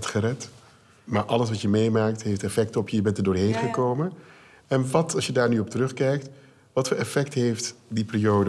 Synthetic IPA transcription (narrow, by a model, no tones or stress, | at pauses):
tχərɛt | maːɹʔɑləsʋɑtjəmejmaːk̚tɦejftɛfɛk̚təɔpʰjəjəbɛntədʊːɹɦejnχəkowmən | ɛnʋɑtɑsʃjədaːɹnyɔp̚təɾɵχkɛjk̚t | ʋɑtfoːlɛfɛk̚tɦejftdipɪrijowdə